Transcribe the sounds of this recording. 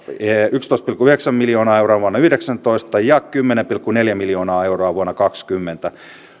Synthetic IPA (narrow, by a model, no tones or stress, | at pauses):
eykst̪oˑist̪pilkːuyheksæmːiljoːnɑːeuroɑʋuɑnːɑyhdeksænt̪oist̪ɑjɑkymːenempilkːuneljæmiljoːnɑːeuroɑʋuɑnːɑkɑkskymːent̪æ